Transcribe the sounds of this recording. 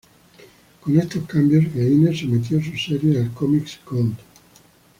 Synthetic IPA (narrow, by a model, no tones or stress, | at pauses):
konest̪ohkambjosɡeines̬emet̪̬ias̬useɾjealkɔmikse̥kond̪